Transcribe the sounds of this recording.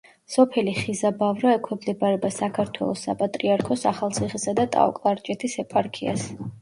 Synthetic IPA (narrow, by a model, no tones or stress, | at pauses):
sɔpʰɛliχizabavɾaɛkʰɛmd̪ɛbaɾɛbasakʰaɾt̪ʰwɛ̰lˠɔsːapʼat̪ʼɾiaɾkʰɔsaχalˠt̪sʰiχisad̪at̪ʼa̰ɔ̰kʼlˠaɾt͡ʃʼɛt̪ʰisɛpʼaɾkʰia̰s